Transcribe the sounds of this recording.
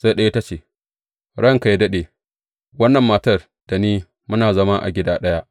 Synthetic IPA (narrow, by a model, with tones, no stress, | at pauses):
z̥a˦ɗɐ˦ji˦ta˦t͡ʃeː˨ | ɽɐ˦˨ŋka˨jdɐ˦ɗeː˨ | wɐ˦nːɐ˨mːaː˨tɐ˦r | d̥a˨niː˦ | mʊ˦naː˨zɐ˦ma˦ʔa̰˨ɡʲɪ˦daː˦ɗɐ˦ja˦ʔ